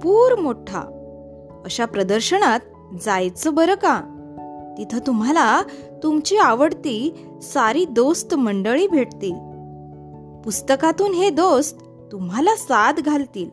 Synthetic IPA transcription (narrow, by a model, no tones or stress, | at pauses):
puːɾmoʈʰa̰ | əɕapɾəd̪əɾɕəɳat̪̚ | d͡zajt͡səbəɾəka | t̪it̪ʰət̪um̤ala | t̪umt͡ɕiaʋəɽt̪iː | saɾiːd̪ost̪məɳɖəɭiːbʱeʈt̪e | pust̪əkat̪uːnɦed̪ost̪ːumɦalasad̪ɡʱalt̪iːl